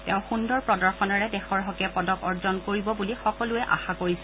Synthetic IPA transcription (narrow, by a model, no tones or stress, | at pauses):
teʊ̃xundɔɹpɹɔdɔɹxɔnɔɹɛdɛxɔɹɦɔkɛpɔdɔkɔɹzɔnkoɹibɔbulixɔkɔlʊɛʔa̰xakoɹisɛ